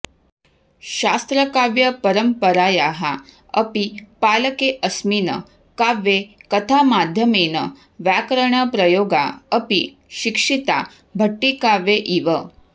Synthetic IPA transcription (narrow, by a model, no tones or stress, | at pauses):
ʃast̪ɾəkaʋjəpɐɾəmpəɾaːjaɦa | əpipaːləkeʔəsmiːnə̰ | kaʋjekət̪ʰamad̪ʱjəmenə̰ | ʋjakɾəɳ̃əpɾɐjoːɡa̰əpi | ʃikʂit̪a̰ | bʱəʈːikaʋeʔiʋə